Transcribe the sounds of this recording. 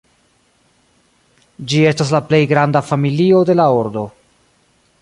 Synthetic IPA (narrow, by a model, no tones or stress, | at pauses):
d͡ʒie̞stas̬laple̞jɡɾandafamilio̞de̞laoɾdo̞